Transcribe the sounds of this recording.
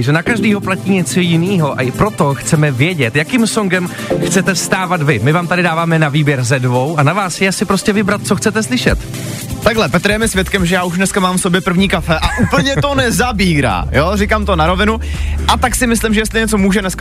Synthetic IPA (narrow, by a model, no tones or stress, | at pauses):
ʒɛnakaʒdiːɦo̞placiːɲɛt͡sojɪniːɦo̞ʔa̰ɪpɾo̞t̪o̞xt͡sɛmɛvjɛɟɛt̪jakimsoŋɡɛm | xt͡sɛt̪ɛfst̪aːvat̪vɪmɪvaːmt̪adɪdaːvaːmɛnaviːbjɛɾzɛdvo̞wʔanavaːsjɛasɪpɾo̞scɛvɪbɾat̪̚t͡soxt͡sɛt̪ɛslɪʃɛ̰t̪ | t̪aɡlɛpɛt̪ɾjɛmɪsvjɛt̪kɛmʒɛjaːuʃdnɛskamaːmfso̞bjɛpr̩vɲiːkafɛʔaʔuːpl̩ɲɛt̪o̞nɛzabiːɾa̰ːjorɪkaːmt̪onaɾo̞vɪnuʔat̪aksɪmɪslɪmʒɛjɛst̪lɪɲɛt͡somuːʒɛnɛsk